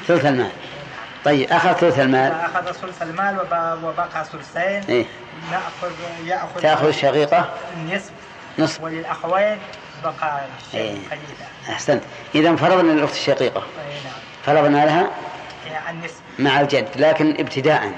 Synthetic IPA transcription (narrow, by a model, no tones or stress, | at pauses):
θʊlθalma̰ːl | t̪ˤɑjːɪbʔaxaðθʊlθalmaːlʔaxaðsʊlsalmaːlwwɪbɑqɑsʊlseːnʔeː | nɪʔxʊðjaʔxʊaʔxʊðɪʃːɑqiːqɑnːɪsb | nɨsˤwɪlɪlʔaxweːn | bɑqɑ | ʔḛː | ʔaħsant̪ | ʔɪðamfɑɾˤɑðˤnlʔʊxt̪ɪ̥ʃːɑqiːqɑa | fɑɾˤɑðˤlmalɦa | ʕnːɪsbmaʕald͡ʒad̪ːlaːkɪnʔɪbt̪ʰɪd̪aːʔa̰n